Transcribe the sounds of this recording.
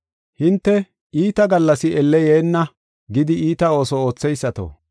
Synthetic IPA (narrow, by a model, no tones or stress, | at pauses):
hɪnt̪ːɛ | iːt̪ɐɡɐlːɐsɪʔɛlːɛjeːnːɐ | ɡɪd̪ɪiːt̪ɐo̞ːsɔo̞ːt͡sːɛjsːɐt̪o̰